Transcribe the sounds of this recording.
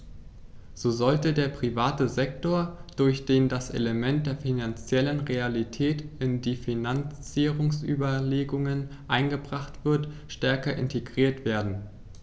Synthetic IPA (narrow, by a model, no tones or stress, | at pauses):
z̥oːzɔltədeːɐpʁ̥ivaːtəzɛk̚toːɐd̥ʊɐçd̥eːndasʔḛləmɛnt̚d̥eːɐfinant͡sjɛlənʁealitʰɛːtɪndiːfinant͡siːʁʊŋsʔy̰ːbɐleːɡʊŋənʔaɪnɡəbʁaχtv̥ɪɐtʃtɛɐkɐʔɪ̰ntʰeɡʁiːɐtv̥eːɐdn̩